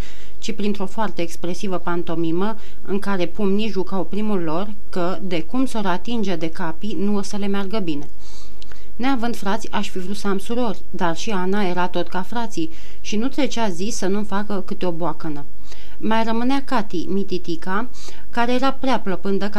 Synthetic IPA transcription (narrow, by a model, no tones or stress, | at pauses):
t͡ʃipɾint̪ɾo̞foart̪eːkspɾe̞sivəpant̪o̞mimə | ɨŋkaɾe̞pumniʒukawpɾimulːo̞r | kə | d̪e̞kumsoɾat̪ind͡ʒed̪e̞kapinuosəle̞mearɡəbine̞ | neavɨnd̪fɾat̪sʲaʃfivɾut̪səamsuɾo̞rʲd̪arʃianae̞ɾat̪o̞t̪kafɾat̪si | ʃinut̪ɾe̞t͡ʃazisːənumfakəkɨt̪eo̞boakənə | majrəmɨneakat̪imit̪it̪ika | kaɾe̞jeɾapɾeapləpɨnd̪ək